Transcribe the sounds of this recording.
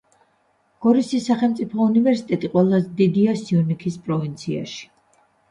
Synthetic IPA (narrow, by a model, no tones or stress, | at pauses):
ɡ̥ɔɾisisːaχɛlˠmt̪sʼipʰɔunivɛɾsi̥t̪ʼɛt̪ʼiqʼwɛlˠazɛd̪id̪iasiɔnikʰispʼɾɔvint̪sʰia̰ʃi̥